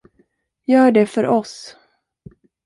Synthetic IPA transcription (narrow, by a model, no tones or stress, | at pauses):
jœːɖɛfœɾʔɔs